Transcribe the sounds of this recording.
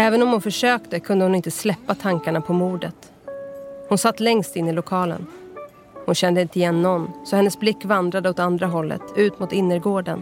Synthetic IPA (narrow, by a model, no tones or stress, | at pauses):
ɛːvənɔmhʊnfœʂøːkt̪əkʰɵnd̪əhʊnɪnt̪əslɛpːat̪ʰaŋkaɳapʰɔmuːɖət̪ | hʊnsat̪ːlɛŋst̪ɪnːɪlʊkʰɑːlə̰n | hʊnɕɛnd̪əɪnt̪əɪjɛnːɔnːsɔhɛnːəsblɪkːvand̪ɾad̪əɔt̪and̪ɾaɦɔlːə̰t̪ʰʉ̟ːt̪mʊːt̪ɪnːəɾɡoːɖə̰n